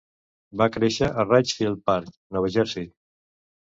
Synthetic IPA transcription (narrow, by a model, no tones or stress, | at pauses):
bakɾeʃəʔərat͡ʃfiəlˠpaɾk | nɔwəʒɛɾsit̪̚